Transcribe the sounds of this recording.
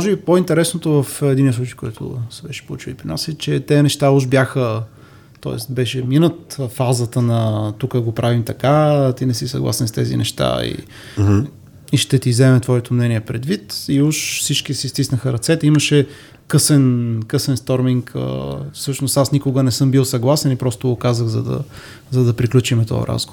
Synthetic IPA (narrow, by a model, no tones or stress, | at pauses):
ɔʒɛbipoint̪ɛɾɛsnot̪ovəfɛd̪iniəslut͡ʃəjkɔ̰jt̪ʰʊ̰sɛbɛʃɛ̥poṵt͡ʃilˠipɾina̰sit͡ʃɛt̪ɛnɛʃt̪auʃbʲjaxə | t̪ɔ̰ɛ̰st̪bɛʃɛminət̪fazət̪ənɐt̪ukəɡopɾavimt̪ɐkat̪inɛsisɐ̰ɡlˠa̰sɛnst̪ɛzḭnɛ̰ʃt̪a̰ḭ | iʃt̪ɛt̪izɛmɛt̪vɔɛt̪omnɛniɛpɾɛd̪vit̪iuʃsit͡ʃkisist̪isnəxəɾɐt̪sɛt̪ɛiməʃɛ | kɤsɛnkɤsɛnst̪ɔɾmiŋkʰə̰fsɤʃnost̪asnikʊɡənɛsɤmbilˠsɐɡlˠasɛnipɾɔst̪oɡokazəɣzɐ̰d̪ɐ̰ | zɐd̪ɐpɾiklʲut͡ʃimɛt̪ɔ̰jə̰ɾʔa̰zɡo